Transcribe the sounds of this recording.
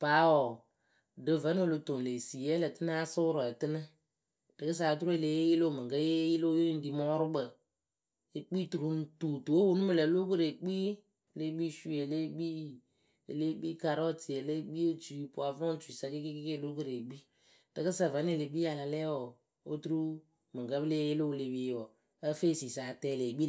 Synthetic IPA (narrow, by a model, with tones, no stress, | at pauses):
pa˨˦ɔ˨ | dɨ˨və˨˦n˦o˦˨lo˨to˨le˨si˨jɛ˦lə˨tɨ˦n˦a˦sʊ˦ɾɔ˨ɛ˨tɨ˦nɨ˦ | d̥ɨ˨kɨ˦s̬a˨˦tu˦ɾo˦e˨le˨˦je˦ji˦lo˦˨mɨ˨ɡə˦je˦ji˦lo˦jo˦i˦n˦di˨˦mɔ˦ɾʊ˦bə˨ | e˨k͡pi˦tu˨ɾu˨˦n˦tu˨tu˨o˦wu˦nu˦mɨ˨lə˨˦lo˦kɨ˦ɾe˨k͡pi˦˨ | le˦ɡ͡bi˦ʃu˦e˨le˦ɡ͡bi˦ | ḛ˨le˦ɡ͡bi˦ka˨ɾɔ˦ti˨e˨le˦ɡ͡bi˦o˦t͡ʃu˨˦pʊ˨a˨vɔ˦t͡ʃi˨sa˧ki˦ki˦kke˦˨lo˦kɨ˨ɾe˨ɡ͡bi˦ | tɨ˨kɨ˦sa˨va˨˦n˦e˦˨le˨˦ɡ͡bi˦a˨la˨lɛ˦wɔ˨ | o˦tu˦ɾu˦ | mɨ˨ŋkə˦bɨ˦le˦jɪ˦lo˦˨le˨bi˦ɔ˨ | ə˦fe˦˨si˨saː˨tɛː˦˨le˨ɡ͡bi˦˨